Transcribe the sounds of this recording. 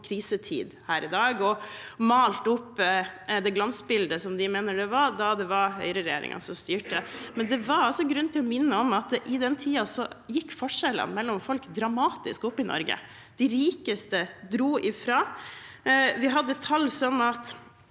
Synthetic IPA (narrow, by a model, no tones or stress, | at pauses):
kʰɾiːsət̪ʰḭːd̪hæːɾɪd̪ɑːɡɔmɑːlt̪ʊpːd̪ɛɡlɑnsbɪld̪əsɔmd̪ɪmeːnəɖɛʋɑɾd̪ɑd̪ɛʋɑɾhœ̰ʏɾəɾɛjḛːɾɪ̰ŋɑ̰nsɔmst̪yːʈəmɛnd̪ɛʋɑɾɑlsɔɡɾʉnt̪ɪlɔmɪnːəɔmɑt̪̚ʔɪd̪ɛnt̪ʰiːɑsɔjɪkːfɔʂɛlə̰nmɛlːɔmfɔlkd̪ɾɑmɑːt̪ɪ̰skɔpːɪnɔ̰ɾɡə̰ | d̪̥ɪɾiːkəst̪əd̪ɾuːʔɪfɾɑː | ʋɪɦɑd̪ːət̪ʰɑlsɔmɑt̪